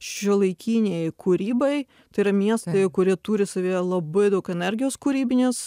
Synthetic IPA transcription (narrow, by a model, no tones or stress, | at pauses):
ʃʲɪlˠɐɪkʲiːnʲeɪkʰuːɾʲiːbɐɪ | t̪ɐɪɾɐmʲiɛst̪ɐɪkʊɾʲiɛt̪uːɾʲɪsɐʋʲiːlˠɐbɐɪd̪ɐʊkɛnʲɛɾʲɡʲɪjoːskuːɾʲiːbʲɪnʲɪs